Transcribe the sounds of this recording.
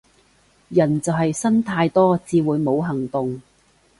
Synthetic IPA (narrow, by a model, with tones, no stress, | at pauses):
jɐ˨˩nt͡sɐ˨wɦɐ˨jsɐ˥nt̪ʰaː˧jt̪ɔː˥t͡siː˧wuː˨˧jmo˨˧wɦɐ˨˩ŋt̪ʊ˨ŋ